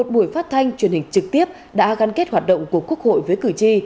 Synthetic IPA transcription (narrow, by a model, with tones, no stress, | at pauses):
o˨˩t̚ɓu˧˩əjfaː˦˥t̚t̪ʰa˧jŋ̟t͡ɕwi˨˩nhï˨˩ŋ̟t͡ɕɨ˨˩k̚t̪i˦˥əp̚ | ɗa̰ː˧˥ɣa˨˧nke˦˥t̚hwaː˨˩t̚ɗə̰˧˨wŋ͡mku˧˩əku˦˥ək̚ho̰˧˨jvəː˨˦jkɨ˧˩t͡ɕi˧